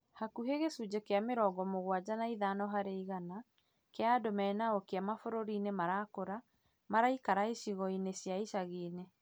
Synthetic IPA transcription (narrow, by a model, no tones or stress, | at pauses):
hakuɦeɣesud͡ʑekeameɾɔɡɔmoɣwad͡ʑanaiðanɔɦaɾeiɣana | keadomɛnaokeamafoɾoɾiːnemaɾakoɾa | maɾaikaɾaiʃiɣɔinesjaiʃaɣiːne